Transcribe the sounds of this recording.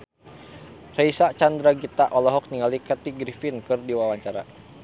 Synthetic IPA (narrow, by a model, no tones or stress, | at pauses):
rɛisat͡ʃand̪ɾaɡit̪aʔɔlɔɦɔk̚niŋalikat̪iɡɾifinkɨrdiwawaɲt͡ʃaɾa̰